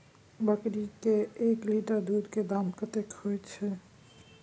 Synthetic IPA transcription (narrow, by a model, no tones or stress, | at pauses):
bakiʈikeekliʈaɾd̪ud̪ked̪amkət̪ekhojet͡ɕʰe